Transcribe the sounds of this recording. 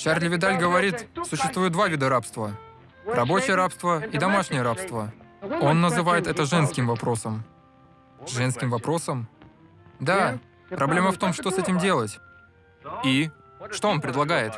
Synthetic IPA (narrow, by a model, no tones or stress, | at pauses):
t͡ɕarlʲɪvʲɪd̪alʲɡəvɐɾʲit̪sʊɕːɪst̪vujʊt̪d̪vavʲid̪əɾapst̪və | rɐbo̞t͡ɕɪjəɾapst̪vəid̪ɐmaʂnʲɪjəɾapst̪vəo̞nːəzɨvajɪt̪ɛt̪əʐɛnskʲɪmvɐpɾo̞səm | ʐɛnskʲɪmvɐpɾo̞səm | d̪a | pɾɐblʲeməft̪o̞mʂt̪o̞sɛtʲɪmdʲe̞lˠətʲ | i | ʂt̪o̞o̞npɾʲɪd̪lˠɐɡajɪt̪